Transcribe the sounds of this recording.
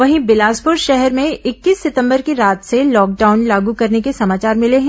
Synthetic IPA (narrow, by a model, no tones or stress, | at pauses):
ʋɐɦĩbɪlaːspʊɾʃɛɦɛɾmẽɪkːiːsːɪt̪ə̃mbəɾkiɾaːt̪selɔːk̚ɖaːʊnlaːɡukɐɾnekesɐmaːt͡ʃaːɾmɪleɦɛ̃ː